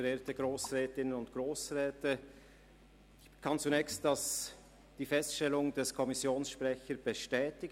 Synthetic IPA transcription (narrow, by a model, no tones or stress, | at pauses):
əɾeːtəɡ̥ʁoːsʁɛːtɪnənʊntɡ̥ʁoːsʁɛːtə | kʰɑnt͡sunɛːkçstd̥ɑs | d̥iːfɛstʃtɛlʊŋd̥ɛskʰɔmɪsjoːnsʃpʁɛçəɾb̥əʃtɛːtɪɡ